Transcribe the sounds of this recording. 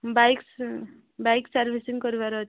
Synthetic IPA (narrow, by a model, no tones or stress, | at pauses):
bajks | bajksaɾbʱisiŋkʌɾibaɾʌ